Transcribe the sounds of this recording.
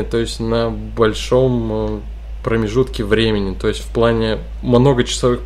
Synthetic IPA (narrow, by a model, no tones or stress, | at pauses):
ɪt̪o̞ɪsʲtʲnə | bɐlʲʂo̞m | pɾəmʲɪʐut̪kʲɪvɾʲemʲɪnʲɪt̪o̞ɪsʲt̪ʲfplˠanʲɪ | mno̞ɡət͡ɕɪ̥sɐvɨx